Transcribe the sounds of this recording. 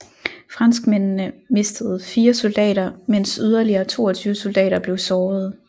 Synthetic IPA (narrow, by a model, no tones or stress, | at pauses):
fʁɑ̈nsɡ̥men̰nəme̝sd̥əð̞̩ˠfiːɐsold̥ɛ̰ːɾɐmen̰syð̞ˠɐliɐːt͡sʰo̝̰ːɐt͡sʰyːʊəso̝ld̥ɛ̰ːɾɐb̥le̝ʊsɒːð̞̩ˠ